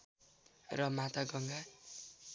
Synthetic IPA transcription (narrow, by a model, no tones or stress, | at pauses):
rʌmat̪aɡʌŋɡa